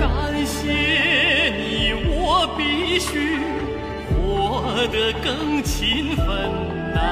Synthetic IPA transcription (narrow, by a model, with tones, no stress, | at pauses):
ka˨˩nɕjɛ˧˥ni˨˩wɔ˨˩pi˥ɕy˥ | xwɔ˧˩ | d̪ə˧kɤ˥˧ŋt͡ɕʰi˧˥nfə˧n